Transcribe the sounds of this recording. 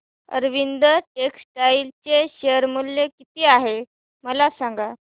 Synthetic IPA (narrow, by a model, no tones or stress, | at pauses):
ə̰ɾʋind̪əʈeksʈailt͡ɕeɕeəɾmuljekit̪eaɦe | məlasaŋɡa